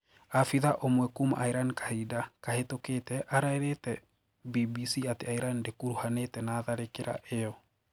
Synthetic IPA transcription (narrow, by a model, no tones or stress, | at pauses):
afiðaʔomwɛkumaʔaiɾankḁhidakahetoketɛʔaɾaeɾetɛ | bibisiateaiɾandekuɾuhanetɛnaːðaɾekeɾa̰ʔejɔ